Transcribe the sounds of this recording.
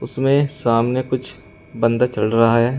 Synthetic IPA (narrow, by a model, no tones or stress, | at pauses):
ʊsmẽsaːmnekʊt͡ʃʰ | bɐ̃nd̪at͡ʃɐlɾɐɦaɦɛː